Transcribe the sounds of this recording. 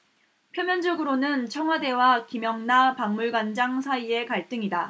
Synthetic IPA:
pʰjomjʌnd͡ʑʌɡɯɾonɯnt͡ɕʰʌŋɦwade̞wakimjʌŋnapaŋmuɭɡand͡ʑaŋsʰaie̞kaɭt͈ɯŋida

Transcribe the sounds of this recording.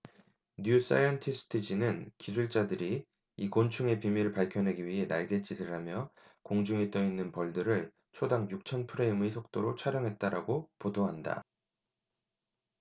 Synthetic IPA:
njus͈a̰jʌntʰisʰɯ̥tʰɯd͡ʑinɯnkisʰuɭt͡ɕ͈adɯɾi | ikont͡ɕʰuŋe̞pimiɾɯɭpaɭkʰjʌnɦeɡiɥiɦe̞na̰ɭɡe̞t͡ɕ͈idɯɾamjʌ | koŋd͡ʑuŋet͈ʌinːɯnpʌɭdɯɾɯɭ | t͡ɕʰodaŋjuk̚t͡ɕʰʌnpʰɯɾe̞imisʰok̚t͈oɾot͡ɕʰaɾjʌŋɦe̞t̚t͈aɾa̰ɡopodoɦanda̰

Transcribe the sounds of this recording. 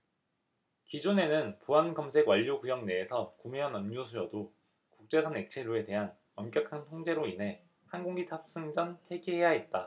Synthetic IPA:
kid͡ʑone̞nɯnpuɦanɡʌmsʰe̞ɡwaʎːoɡujʌŋne̞ːsʰʌkumiɦanʌmɲosʰujʌdo | kuk̚t͡ɕ͈e̞sʰʌne̞k̚t͡ɕʰeɾue̞te̞ɦan | ʌmk͈jʌkʰantʰoŋd͡ʑe̞ɾoinɦe̞ | hanɡoŋɡitʰap̚s͈ɯŋd͡ʑʌnpʰe̞ɡiɦe̞jaet̚t͈a

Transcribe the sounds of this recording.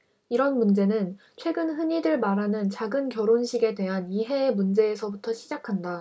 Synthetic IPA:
iɾʌnmund͡ʑe̞nɯn | t͡ɕʰwe̞ɡɯnɦɯɲidɯɭmaɾɦanɯnt͡ɕaɡɯnkjʌɾonɕʰiɡe̞dwe̞ɦaniɦe̞ːmund͡ʑe̞ːsʰʌbutʰʌɕʰid͡ʑakʰanda

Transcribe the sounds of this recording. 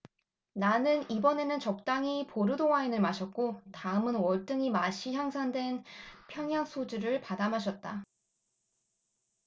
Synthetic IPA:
nanɯnibʌne̞nɯnt͡ɕʌk̚t͈aŋipoɾɯdowainɯɭmaɕʰʌt̚k͈otaɯmɯnwʌɭt͈ɯŋimaɕʰiçjaŋsʰandwe̞npʰjʌŋjaŋsʰod͡ʑuɾɯɭpadamɦaɕ̬ʰʌt̚t͈a

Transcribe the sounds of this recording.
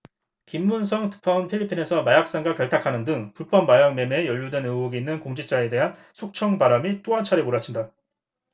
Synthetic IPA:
kimːuns̬ʰʌŋtɯ̥pʰʌnpʰiʎːipʰːine̞sʰʌmajak̚s͈aŋɡakjʌɭtʰakʰanɯndɯŋpuɭp͈ʰʌmːajaŋme̞mejʌʎːudwe̞nɯɡuɡiinːɯnkoŋd͡ʑit͡ɕ͈ae̞de̞ɦan | sʰok̚t͡ɕʰʌŋbaɾamit͈oant͡ɕʰaɾemoɾat͡ɕʰinda

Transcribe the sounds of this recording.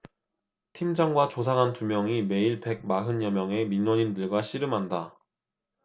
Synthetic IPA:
tʰimd͡ʑaŋɡwat͡ɕosʰaŋɦantumjʌŋime̞iɭpe̞ɡ̚maɦɯnjʌmjʌŋe̞minːoɲindɯɭɡwaɕʰiɾɯmɦanda

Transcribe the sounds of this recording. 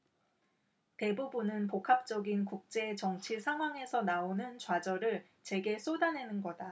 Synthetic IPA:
te̞bubunɯnpokʰap̚t͡ɕ͈ʌɡinkuk̚t͡ɕ͈e̞ːt͡ɕʌŋt͡ɕʰiɭsʰaŋɦwaŋe̞sʰʌnaonɯnt͡ɕwad͡ʑʌɾɯɭ | t͡ɕwe̞ɡe̞s͈ʰodane̞nɯnɡʌda

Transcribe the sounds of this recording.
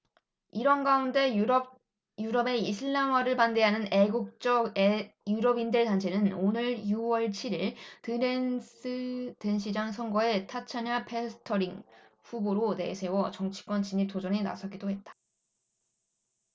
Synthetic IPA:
iɾʌnɡaunde̞ | juɾʌbe̞isʰɯɭːamaɾɯɭpande̞ɦanɯne̞ɡuk̚t͡ɕ͈ʌjuɾʌbindɯɭtant͡ɕʰe̞nɯnonɯɭjuwʌɭt͡ɕʰiɾiɭtɯɾensɯte̞nɕ̬ʰid͡ʑaŋsʰʌŋɡʌe̞tʰat͡ɕʰaɲapʰe̞sʰɯ̥tʰʌɾiŋ | ɸuboɾone̞̰sʰe̞wʌt͡ɕʌŋt͡ɕʰi̥k͈wʌnt͡ɕiɲip̚t͈od͡ʑʌɲina̰sʰʌɡidoɦe̞t̚t͈ḁ

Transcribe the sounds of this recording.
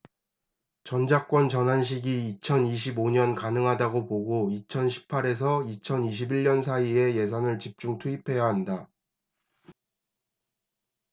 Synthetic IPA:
t͡ɕʌnd͡ʑak͈wʌnt͡ɕʌnɦanɕ̬ʰiɡiːt͡ɕʰʌniɕ̬ʰiboɲʌnkanɯŋɦadaɡopoɡoit͡ɕʰʌnɕʰi̥pʰːaɾe̞s̬ʰʌit͡ɕʰʌniɕ̬ʰibiɭɲʌnsʰaie̞je̞s̬ʰanɯɭt͡ɕip̚t͡ɕ͈uŋtʰuipʰe̞jaɦanda

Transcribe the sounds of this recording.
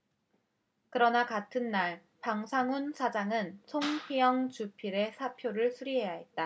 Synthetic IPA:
kɯɾʌnakatʰɯnːaɭ | paŋsʰaŋunsʰad͡ʑaŋɯnsʰoŋɸijʌŋt͡ɕupʰiɾe̞sʰapʰjoɾɯɭsʰuɾiɦe̞jaɦe̞t̚t͈a

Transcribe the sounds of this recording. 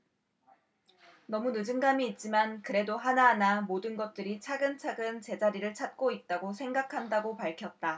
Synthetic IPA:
nʌmunɯd͡ʑɯŋɡamiːt̚t͡ɕ͈imankɯɾe̞doɦanaɦːnamodɯnɡʌt̚t͈ɯɾit͡ɕʰaɡɯnt͡ɕʰaɡɯnt͡ɕe̞d͡ʑaɾiɾɯɭt͡ɕʰat̚k͈oit̚t͈aɡosʰe̞ŋɡakʰandaɡopaɭkʰjʌt̚t͈a

